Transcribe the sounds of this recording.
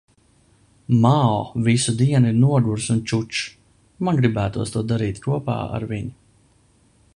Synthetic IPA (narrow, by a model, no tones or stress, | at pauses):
maɔvisud̪iɛnuiɾnuɔɡuɾsunt͡ʃut͡ʃ | manɡɾibæːt̪uɔst̪uɔd̪aɾiːt̪kuɔpa̰ːa̰ɾviɲi